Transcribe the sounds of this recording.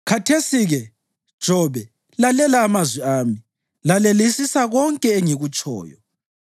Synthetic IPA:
kʰatʰesiɣɛ | d̥ʒ̥ʱɔβɛ | lalɛlaːmazwiaːmi | lalelisisaɣɔŋkʼɛeŋiɣut͡ʃʼɔ̰ːjɔ

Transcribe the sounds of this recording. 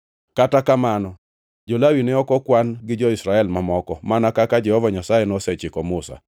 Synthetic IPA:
katakamanɔ | d͡ʒɔlawinɛɔkɔkwanɡɪd͡ʒɔɪsɾaɛlmamɔkɔmanakakad͡ʒɛhɔvaɲasajɛnɔsɛt͡ʃɪkɔmʊsa̰

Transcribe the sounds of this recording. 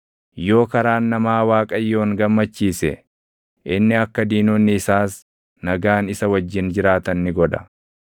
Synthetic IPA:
jo̞ːkɐɾaːnːɐmaːwaːkʼɐjːo̞ːŋɡɐmːɐt͡ʃːiːsɛ̰ | ʔɪnːɪɐkːɐd̪iːnoːnːɪːsaːs | nɐɡaːnɪsɐwɐd͡ʒːɪnd͡ʒɪɾaːt̪ɐnːɪɡɔd̪ɐ̥

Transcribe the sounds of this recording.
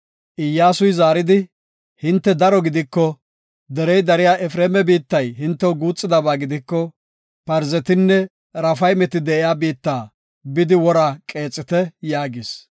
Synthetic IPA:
ʔɪjːaːsʊjzaːɾɪd̪ɪ | hɪnt̪ːɛd̪ɐɾɔɡɪd̪ɪkːɔ | d̪ɛɾɛjd̪ɐɾɪjaːʔɛfɾeːmɛbiːt̪ːɐjɦɪnt̪ːɛwɡuːt͡sʼːɪd̪ɐbaːɡɪd̪ɪkːɔ | pɐɾzɛt̪ɪnːɛ | ɾɐfɐjmɛt̪ɪd̪ɛʔɪjaːbiːt̪ːaː | bɪd̪ɪwɔɾaːkʼe̞ːt͡sʼːɪt̪ɛjaːɡɪs

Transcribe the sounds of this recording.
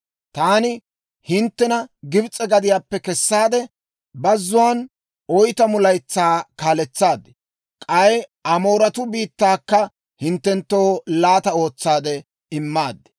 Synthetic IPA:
t̪aːnɪ | hɪnt̪ːɛnɐɡɪbt͡sʼːɛɡɐd̪ɪjaːpːɛkɛsːaːd̪ɛ | bɐzːʊwɐːn | ɔjt̪ɐmʊlɐjt͡sːaːkaːlɛt͡sːaːd̪ɛ̥ | kʼɐjɐmo̞ːɾɐt̪ʊbiːt̪ːaːkːɐ | hɪnt̪ːɛnt̪ːoːlaːt̪ɐo̞ːt͡sːaːd̪ɛ | ɪmːaːd̪ːɛ̥

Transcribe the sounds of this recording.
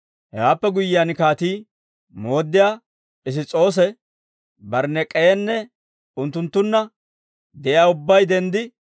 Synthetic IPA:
hɛwaːpːɛɡʊjːɪjankaːt̪iː | mo̞ːd̪ːɪjaː | pʼɪs̬ɪt͡sʼo̞ːs̬ɛ | bɐɾnːɛkʼɛjɛnːɛ | ʊnt̪ːʊnt̪ːʊnːɐ | d̪ɛʔjaːʊbːɐjd̪ɛnd̪ɪ

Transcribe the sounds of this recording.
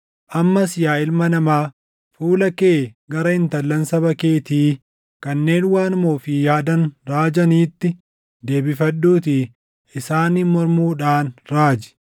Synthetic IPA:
ʔɐmːɐsɪjaːɪlmɐnɐmaː | fuːlɐke̞ːɡɐɾɐɪnt̪ɐlːɐnsɐbɐke̞ːt̪iː | kɐnːe̞ːnwaːnmoːfɪjaːd̪ɐnɾaːd͡ʒɐniːt̪ːɪ | d̪e̞ːbɪfɐɗːuːt̪i | ɪsaːniːmɔɾmuːᶑaːnɾaːd͡ʒɪ̥

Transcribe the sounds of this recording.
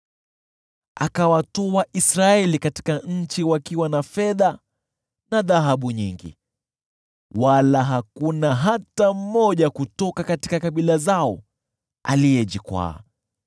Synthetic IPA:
ʔa̰kawatɔaʔisɾaɛlikati̥kaɲ̩t͡ʃiwakiwanafɛða | naðaɦaɓuɲḭŋɡḭ | walaɦakunaɦatam̩mɔʄakutɔkakatikakaɓilazaɔ | a̰lijɛʄikwa̰ː

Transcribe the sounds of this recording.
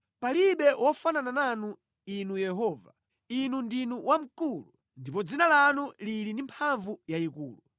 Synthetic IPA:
paliɓɛwʔɔfananananu | inujɛɦɔːva̰ | inundinuwʔam̩kulu | ndipɔd͡zinalanulilindimpʰaɱvujaikuːlu

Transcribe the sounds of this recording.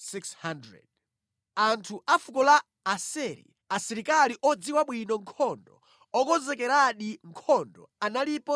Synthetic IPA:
sikshandɾɛ̰d̚ | antʰuʔafukɔlaː | sɛɾḭ | asiɾikaliʔɔd͡ziwaɓwinɔŋkʰɔndɔ̰ | ɔkɔzɛkɛɾaɗiŋkʰɔndɔ̰analipɔ

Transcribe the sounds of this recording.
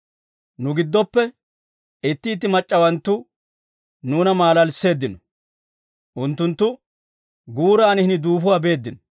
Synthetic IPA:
nʊɡɪd̪ːɔpːɛ | ɪt̪ːiːt̪ːɪmɐt͡ʃʼːɐwɐnt̪ːʊ | nuːnɐmaːlɐlsːe̞ːd̪ːɪnɔ | ʔʊnt̪ːʊnt̪ːʊ | ɡuːɾaːnhɪnɪd̪uːfʊwaːbe̞ːd̪ːɪnɔ

